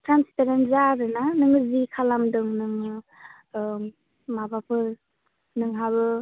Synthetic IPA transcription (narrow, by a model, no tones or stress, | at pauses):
tɾanspeɾentzaɾɯnanɯŋɯzikʰalamdɯŋnɯŋ | mabapʰɯ | nɯŋɦaβɯ